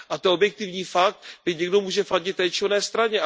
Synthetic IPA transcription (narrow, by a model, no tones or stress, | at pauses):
ʔat̪ɛobjɛk̚t̪ɪvɲiːfak̚t̪̚bɪɲɛɡdo̞muːʒɛfaɟɪt̪̚t̪ːɛːt͡ʃɪvnɛːst̪ɾaɲɛ